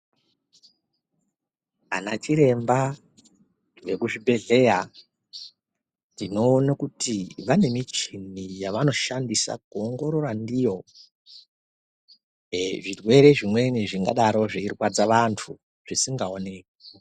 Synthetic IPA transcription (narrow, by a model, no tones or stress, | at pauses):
a̰nat͡ʃiɾe̞mba | ʋe̞kuʐibʱe̞ɮe̞ja | ndino̞ːnakutʰiʋane̞mit͡ʃinijaʋano̞ʃandisa̰kuoŋɡo̞ɾo̞randijo̞ | ʐirwe̞ɾe̞ʐimwe̞niʐiŋɡaɗaɾo̞ʐeirwad͡zaʋantʰu | ʐ̥isiŋɡaone̞ko